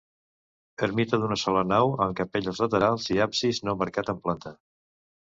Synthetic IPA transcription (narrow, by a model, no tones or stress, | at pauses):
əɾmit̪əðunəsɔlənawəmkəpeʎəlˠzlət̪əɾalˠziapsiznoməɾkat̪əmplant̪ə